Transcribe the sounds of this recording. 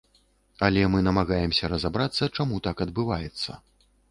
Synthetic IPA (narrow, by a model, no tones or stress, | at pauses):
ɐlʲɛmɨnɐmaɣajɛmsʲɐɾɐzabɾat̪sːɐt͡ʂamut̪akɐd̪̚bɨvajɛt̪sːɐ̰